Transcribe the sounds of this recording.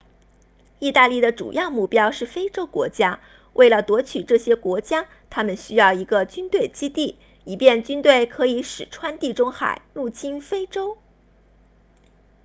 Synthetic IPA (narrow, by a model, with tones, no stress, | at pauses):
i˥˧t̪a˥˧li˥˩d̪ə˩ʈ͡ʂṵ˨˩jɑ˥˧ʊmu˥˩pjɑ˥ʊʂɻ̩˥˩fe˥ɪʈ͡ʂo˥ʊkwɔ̰˧˥t͡ɕja˥ | wʔe˥˩ɪlə˩t̪wɔ˧˥t͡ɕʰy˨˩ʈ͡ʂɤ˥˩ɕjɛ˥kwɔ˧˥t͡ɕja˥ | t̪ʰa˥mə˨nɕy˥jɑ˥˩ʊi˧˥ɡə˧t͡ɕy˥nt̪we˥˩ɪt͡ɕi˥t̪i˥˩ | i˨˩pjɛ˥˩nt͡ɕy˥nt̪we˥˩ɪkʰɤ˧˥i˧˥ʂɻ̩˨˩ʈ͡ʂʰwa˥nt̪i˥˩ʈ͡ʂʊ˥ŋxa̰˨˩˦ɪlu˥˩t͡ɕʰi˥nfe˥ɪʈ͡ʂo˥ʊ